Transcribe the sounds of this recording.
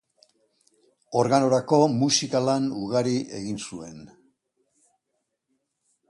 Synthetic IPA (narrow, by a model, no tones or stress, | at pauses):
o̞ɾɣano̞ɾako̞musikalanuɣaɾiʔe̞̰ɣinsue̞n